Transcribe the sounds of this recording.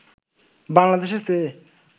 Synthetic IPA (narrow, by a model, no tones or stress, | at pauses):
baŋlad̪eːʃse